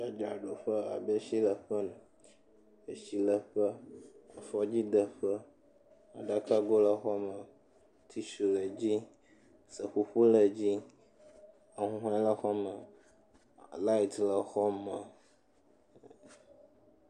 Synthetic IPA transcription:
da˦d͡ʒa˨ɖo˨ɸə˦a̰˨bə˦ʃi˦lə˨ɸə˦nũ˨ | ə˨ʃi˨lə˨ɸə˦a̰˨fɔ˦d͡ʑi˦d̪ə˨ɸə˦ | a̰˨ɖa˦ka˦ɡo˦lə˦xɔ˦mə˨ | t̪ʰi˦ʃu˨lə˨d͡ʑi˦ | sə˨ɸu˦ɸu˦lə˨d͡ʑi˦ | a˨ɦũ˦ɦa˦lə˦xɔ˦mə˨ | la˦i˨t̪lə˨xɔ˦mə˨

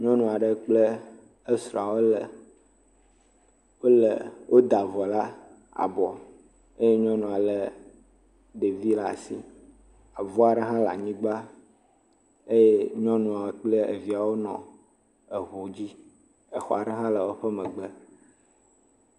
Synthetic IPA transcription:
ɲɔ̃˦nũ˨a˨ɖə˦k͡plə˦ | ə˦sɾɔ̃˨a˨wo˦lə˨ | wo˦lə̰˨wʔo˦d̪a˨vɔ˨la˦ | a̰˨bɔ˨ | e˦je˦ɲɔ̃˦nũ˨a˨lə˨ | d̪e˨vi˦la˦˨sḭ˦ | a˨vɔ˦a˨ɖə˦ɦã˦la̰˨ɲĩ˦ɡ͡ba˦ | e˦je˦ɲɔ̃˦nũ˨a˨wo˨k͡plə˦ḛ˨vi˨˦a˨wo˦nɔ̰̃˨ | ə˨ɦo˨d͡ʑi˦ | ə˨xɔ̰˨a˨ɖə˦ɦã˦lə˨wo˦ɸə˦mə̃˨ɡ͡bə˦

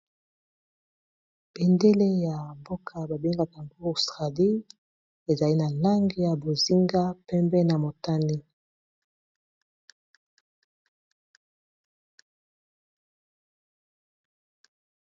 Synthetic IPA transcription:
bɛ˨nde˦le˦ja˨mbo˦kʰa˦ba˨be˦ŋɡa˨ta˨ŋɡo˦o˨stʁa˨di˦ | e˨za˨li˦na˨la˦ŋɡi˦ja˨bo˨zi˦ŋɡa˦pɛ˦mbɛ˦na˨mo˨ta˦ni˦

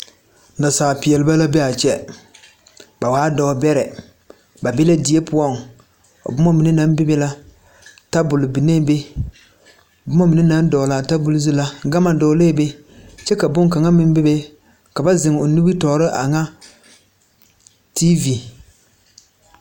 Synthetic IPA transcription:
na˨saː˨pɪ˨ɛ˨lɪ˦ba˦la˦be˦a˨t͡ʃɛ˦ | ba˨waː˦dɔː˨bɛ˦ɾɛ˨ | ba˨bɪ˦la˦di˨e˦pʊ˦ɔ˦˨ŋ | o̰˨bʊ˦mɔ˦mɪ˨nɪ˦na˦nbɪ˦be˦la˦ | ta˦bʊ˨lɪ˨bi˨ne˦be˦˨ | bʊ˦mɔ˦mɪ˨nɪ˦na˨˦n˦dɔ˨la˨ta˦bʊ˦lɪ˦zi˦la˦ɡa˦ma˨dɔː˨˦le˦be˦ | t͡ʃɛ˦ka˨bʊ˦ŋ˦ka˨ŋa˦mɪ˦n˦bɪ˦be˦ | ka˨ba˦zɪ˨ŋ˨o˨nu˦bi˦tɔ˨˦ɾɪ˦ʔa̰˨ŋa˦ | ti˦vi˨

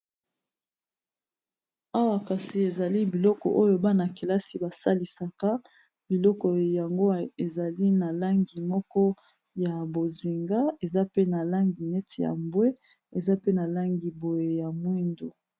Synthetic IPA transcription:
a˦wa˨ka˨si˨e˨za˨li˦bi˨lɔ˦kɔ̰˨ʔo˦jo˦ba˦na˨ke˨la˦si˨ba˨sa˦li˨sa˨ka˦ | bi˨lɔ˦kɔ˨ja˨ŋɡo˦˨e˨za˨li˦na˨la˦ŋɡi˨mɔ˦kɔ˦ | ja˨bo˨zi˨ŋɡa˦e˨za˦pe˦na˨la˦ŋɡi˨ne˦ti˨ja̰˨mbwe˦ | e˨za˦pe˦na˨la˦ŋɡi˨bo˨je˨ja˨mwi˦ndo˨

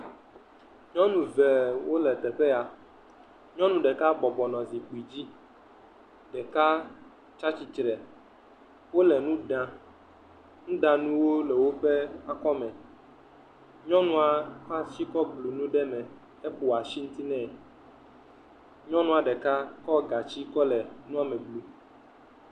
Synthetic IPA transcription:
ɲɔ̃˦nũ˨vɛ˨wo˦lɛ˨t̪ɛ˨ɸɛ˦a˨ | ɲɔ̃˦nũ˦ɖɛ˨ka˦bɔ˨bɔ˨nɔ̃˨zi˨k͡pi˨d͡ʑi˦ | ɖɛ˨ka˦ | t͡ʃa˦t͡ɕi˨t͡ʃɾɛ˨ | wo˦lɛ˨nũ˦ɖã˨ | nũ˦ɖã˨nũ˦wo˦lɛ˨wo˦ɸɛ˦a˨kɔ˦mɛ̃˨ | ɲɔ̃˦nũ˦a˨ka˦si˦kɔ˦blu˨nũ˦ɖɛ˦mɛ̃˨ | ɛ˦ɸo˨a˨ʃi˦ŋũ˦t̪i˦nɛ̃˦ | ɲɔ̃˦nũ˦a˨ɖɛ˨ka˦kɔ˦ɡa˨t͡ɕi˦kɔ˦lɛ˨nũ˦a˦mɛ̃˨blu˨

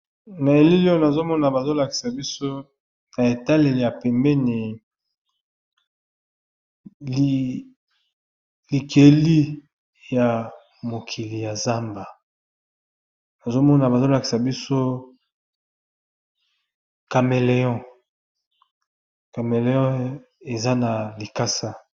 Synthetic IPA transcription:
na˨e˨li˦lo˦na˨zo˦mɔ˦na˨ba˨zo˦la˨ki̥˨sa˨bi˦so˦ | na˨e˨ta˦le˨le˨ja˨pɛ˨mbɛ˦ni˨ | li˨kʰe˨li˦ | ja˨ | mo˨kʰi˨li˨ja˨za˦mba˨ | na˨zo˦mɔ˦na˨ba˨zo˦la˨ki̥˨sa˨bi˦so˦ | ka˨me˨le˨jɔ̃˦ | ka˨me˨le˨jɔ̃˦ | e˨za˦na˨li˨ka˦sa˦

